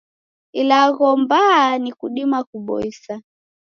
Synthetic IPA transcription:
ilaɣɔmbanikuɗimakuɓɔ̰isa

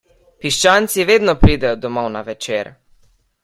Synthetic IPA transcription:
piʃt͡ʃaːnt̪siʋeːd̪nɔpɾiːd̪ɛjɔd̪ɔmɔwnaʋɛt͡ʃeːɾ

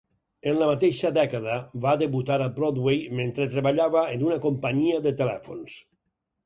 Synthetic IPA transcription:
enlamat̪eʃad̪ɛkaðaβad̪eβut̪aɾalˠbɾɔd̪wejmẽnt̪ɾet̪ɾeβaʎaβaenunakompaɲiaðet̪elɛfo̰ns

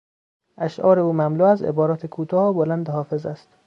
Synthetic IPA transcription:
ʔæʃʔɒːɾeuːmæmluːæzḛbɒːɾɒːt̪ʰekʰuːt̪ʰɒːbolænd̪ehɒːfezæst̪

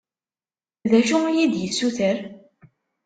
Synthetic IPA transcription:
ðæʃʊjid̪jəsːuθəɾ

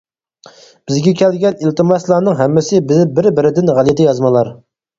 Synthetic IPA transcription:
b̥ɪzɡʲɛkʲʰɛlɡʲɛnilt̪ɨmɑslˠɑːnɨŋɦɛmːɪsɪbɪzɪbɪɾbɪɾɪd̪ɪnʁælɪt̪ʰɪjɑzmɨlˠɑɾ

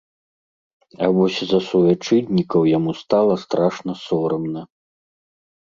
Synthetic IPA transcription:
ɐvɔsʲzɐsuvʲat͡ʂɨd̪ʲnʲikɐwjamust̪alˠɐst̪ɾaʂnɐsɔɾɐmnɐ

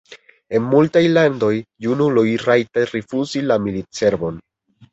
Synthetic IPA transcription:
e̞nmultajlando̞jːunulojɾajtaɾifuzilamilit͡se̞ɾbo̞n

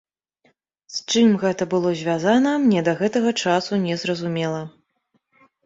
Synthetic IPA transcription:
st͡ʂɨmɣɛt̪ɐbɨlˠɔzʲvʲazanɐmnʲɛd̪ɐɣɛt̪ɐɣɐt͡ʂasunʲɛzrɐzumʲɛlˠɐ

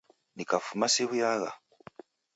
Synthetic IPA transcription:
nikafumasiβujaɣa̰

